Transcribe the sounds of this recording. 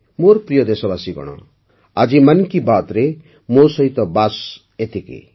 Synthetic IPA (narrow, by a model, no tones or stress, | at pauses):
moɾprijʌd̪esɔbasiɡʌ̰ɽ̃ɔ̰ | ad͡ʒimankibat̪ɾe | mosʌɦit̪ɔbas | et̪ʰikḛ